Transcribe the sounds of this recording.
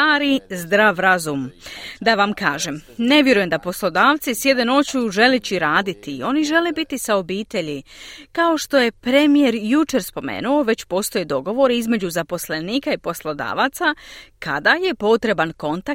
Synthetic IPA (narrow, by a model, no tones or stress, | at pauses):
aːɾizd̪ɾaːʋɾazumd̪aʋamkaːʒe̞mne̞ʋje̞ɾujemd̪apo̞slˠo̞d̪aːʋt̪sisje̞d̪e̞no̞t͡ɕuːʒe̞let͡ɕiɾaːd̪it̪io̞niʒe̞le̞bit̪isao̞biːt̪e̞ʎikao̞ʃt̪o̞je̞pɾemije̞ɾjut͡ʃe̞ɾspo̞mḛːnuo̞ʋe̞t͡ɕpo̞ːst̪o̞jed̪o̞ɡo̞ʋo̞ɾeizme̞d͡ʑuzapo̞sle̞niːkaipo̞slˠo̞d̪a̰ːʋat̪sakʰa̰d̪aje̞po̞t̪ɾe̞banko̞nt̪a